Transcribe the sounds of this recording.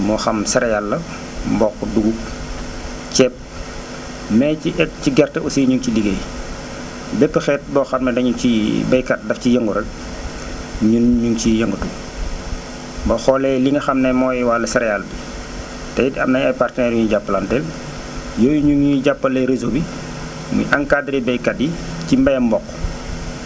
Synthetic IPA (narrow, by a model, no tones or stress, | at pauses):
mɔxɐmsɛɾɛjalːɐ | mbɔkːduɡuk̚ | t͡ʃɛp̚ | mɛciʔɛt̚ciɡɛrtɐʔusiɲuŋciliɡej | bɛpːəxɛːt̚bɔːxɐmnɐdɐɲuŋt͡ʃibɐjkat̚dɐfcijɐŋɡuɾɐk̚ | ɲunɲuŋcijɐŋɡutu | bɐxɔːlɛliŋəxɐmnɛmɔːjɛwalɐsɛɾɛjaːlbi | tɐjidɐ̰mnɐɲɐjpartənɛɾjuɲuɟapːəlɐntɛl | jɔːjuɲuŋjiɟapːɐlɐjɾezobi | mṵjʔɐŋkadɾɛbɛjkat̚ji | cimbɐjɐmbɔkː